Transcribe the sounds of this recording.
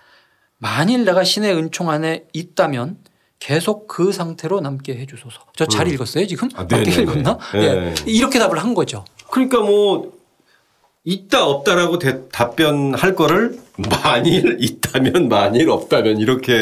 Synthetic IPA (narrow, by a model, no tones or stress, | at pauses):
maɲiɭdeɡaɕʰine̞ɯnt͡ɕʰoŋɦane̞it̚t͈amjʌn | ke̞sʰok̚k͈ɯsʰaŋtʰe̞ɾonamk͈e̞ɦe̞d͡ʑusʰʌsʰʌt͡ɕʌt͡ɕaɾiɭɡʌs͈ʌjot͡ɕiɡɯmneiɭɡʌnajeiɾʌkʰe̞dabɯɭɦanɡʌd͡ʑokɯɲik͈amwʌ | it̚t͈aʌp̚t͈aɾaɡotetap͈jʌnhaɭk͈ʌɾɯɭmaɲiɾit̚t͈amjʌnmaɲiɾʌp̚t͈amjʌniɾʌkʰe̞